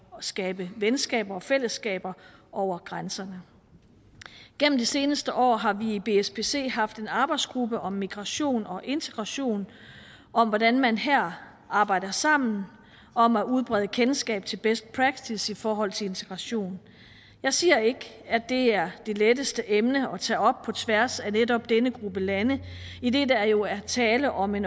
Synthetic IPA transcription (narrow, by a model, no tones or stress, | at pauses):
sɡ̥ɛːb̥əʋensɡ̥ɛ̰ːb̥ɐɒ̽fel̰əsɡ̥ɛ̰ːb̥ɐʔɒʊ̰ɐɡ̥ʁansɐnə | ɡ̥en̰m̩d̥ise̝ːnəsd̥əʔɒ̰ːɦɑ̈ʋiːb̥e̝esb̥e̝se̝̰ːɦɑ̈fd̥e̝nɑ̈ːb̥ɑ̈ɪd̥sɡ̥ʁub̥əʔɒ̽mːiɡ̥ʁɑ̈ɕo̝̰ːnɒ̽ʔe̝nt͡sʰe̝ɡ̥ʁɑ̈ɕo̝̰ːn | ʔɒ̽mʋɒɾænmænɦæɐ̰ | ɑ̈ːb̥ɑ̈ɪ̰d̥ɐsɑ̈m̰n̩ | ɒ̽mæuð̞ˠb̥ʁɛð̞ˠəkʰensɡ̥ɛ̰ːb̥̚t͡sʰe̝lb̥esd̥̚pʰʁɑɡ̥̚t͡sʰisifɒːɦɒ̽l̰t͡sʰe̝le̝nt͡sʰeɡ̥ʁɑ̈ɕo̝̰ːn | jɑ̈ɪsiːɐe̝ɡ̥əæd̥e̝æɐd̥e̝ledəsd̥əʔemnəɒ̽t͡sʰɛ̰ːɒ̽b̥̚pʰɒ̽t͡sʰʋæɐsænedɒ̽b̥̚d̥enəɡ̥ʁub̥əlænəid̥e̝d̥ææɐjo̝æt͡sʰɛːləʔɒ̽me̝n